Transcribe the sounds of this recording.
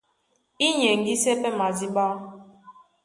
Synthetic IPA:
i˦ɲe˨ŋ˨ɡi˦se˦pɛ˦ma˨zi˦ɓa˦

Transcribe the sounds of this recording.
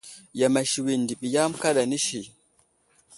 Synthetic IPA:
ja˨ma˨ʃi˨wi˨n˨di˨ɓi˨ja˦mka˦ɗa˨ni˦ʃi˨

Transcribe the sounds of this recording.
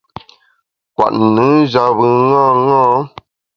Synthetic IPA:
kwa̰˨ʔ̩˨nɨ˨˦d͡ʒa˨βɨ˨ŋãː˦˨ŋãː˦

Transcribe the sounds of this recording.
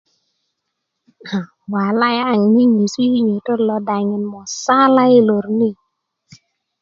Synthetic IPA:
a˨ | wa˨la˦ja˦˨ŋ˨ni˦ɲe˨si˦ɲe˨tə˦lɔ˨da˨ŋi˨nmɔ˨sa˦la˦ji˦lo˨ɾni˦˨

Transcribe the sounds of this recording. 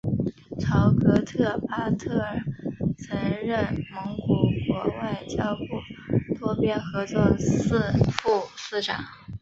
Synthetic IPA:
ʈ͡ʂʰɑ˨˧˩ʊkɤ˧˥t̪ʰɤ˥˩pa˥t̪ʰɤ˥˩ə˨˩t͡sʰɤ˧˥ŋɻə˥˩nmə˧˥ŋku˨˩kwɔ˧˥wa˥˩ɪt͡ɕjɑ˥ʊpu˥˩t̪ʰwɔ˥pjɛ˥nxɤ˧˥t͡swɔ˥˧s̩˥˧fu˥˧sɹ̩˥˩ʈ͡ʂɑ̰˨˩˦ŋ

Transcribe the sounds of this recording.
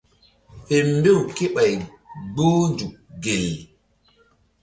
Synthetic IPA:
e˨mbe˦˨wke˦ɓa˨j | ɡ͡boː˦nd͡ʒu˨k̚ɡe˨l

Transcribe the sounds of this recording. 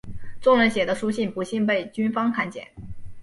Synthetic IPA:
t͡sʊ˥˧ŋɻə˧˥nɕjɛ˨˩d̪ə˦ʂu˥ɕi˥˩npu˧˥ɕi˥˧npe˥˩ɪt͡ɕy˥nfɑ˥ŋkʰa˥˧nt͡ɕjɛ̰˨˩˦n

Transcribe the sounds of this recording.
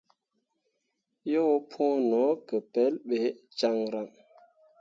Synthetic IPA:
jo˦pʰõ˦nɔ˨˦kə˨pɛ˨˦lɓe˨˦t͡ʃa˦ŋɾa˨ŋ

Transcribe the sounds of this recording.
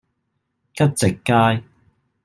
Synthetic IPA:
kɐ˥t̚t͡sɪ˨kːaː˥j

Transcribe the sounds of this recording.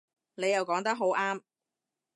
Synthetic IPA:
ne˨˧jɐ˨wkɔː˨˥ŋt̪ɐ˥k̚ɦo˨˥wʔaː˥m

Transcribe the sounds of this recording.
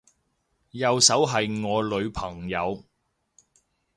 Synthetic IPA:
jɐ˨wsɐ˨˥wɦɐ˨jŋɔː˨˧lɵ˨˧ɥpʰɐ˨˩ŋjɐ˨˧w

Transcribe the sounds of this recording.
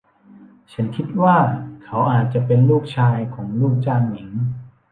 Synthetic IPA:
t͡ɕʰa˦˥nkʰi˦˥t̪̚waː˥˩kʰa˦˥wʔaː˨˩t̪̚t͡ɕa˨˩pe˧nluː˥˩k̚t͡ɕʰaː˧jkʰɔː˩˦ŋluː˥˩k̚t͡ɕaː˥˩ŋmi˩˦ŋ

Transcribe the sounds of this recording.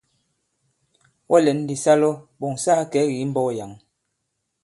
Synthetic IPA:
wʔɔ˦lɛ˨˦n˦˨di˨sa˦lɔ˦ɓo˨ŋsaː˦kɛ˨˦ɣi˨˦m̩˦bɔ˦˨ja˨ŋ

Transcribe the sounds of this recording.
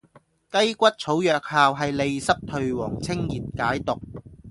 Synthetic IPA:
kɐ˥jkʷɐ˥t̚t͡sʰo˨˥wjœː˨k̚haː˨wɦɐ˨jle˨jsɐ˥p̚t̪ʰɵ˨ɥwɔː˨˩ŋt͡sʰɪ˥ŋjiː˨t̚kaː˨˥jt̪ʊ˨k̚

